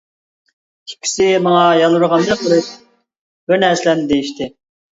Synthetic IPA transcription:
i̥kʲʰːi̥sɪmɑŋɑjɑlˠuɾʁɑnd̪ɑqoɾɨʃ | bøɾnæslɛnd̪ejiʃt̪ʰɪ

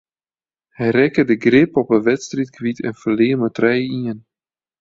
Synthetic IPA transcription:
hɛjrɛkədəɡrɪpɔpənʋɛtstritkʋitʰɛ̰nfərleːmətrɛjiən

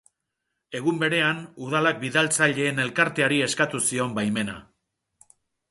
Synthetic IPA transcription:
e̞ɣumbe̞ɾe̞anuðalak̚biðalt͡saʎe̞ːne̞lkaɾt̪e̞aɾie̞skat̪usio̞mbajme̞na̰

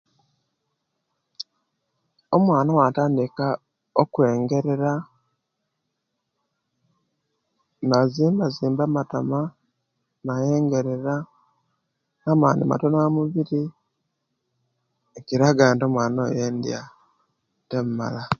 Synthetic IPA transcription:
omwaːnawataːndika | okwe̞ːŋɡe̞ɾe̞ɾa | naziːmbaziːmbamatama | naje̞ːŋɡe̞ɾeɾa | naːma̰ːndḭma̰tonamuβiɾi | eciɾaɡaːnto̞mwaːnojeːndḭa | temuma̰la

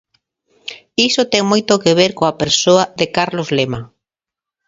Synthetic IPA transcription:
isot̪ɛŋmojt̪okeβeɾkoɐpeɾsoɐðekaɾlozlema

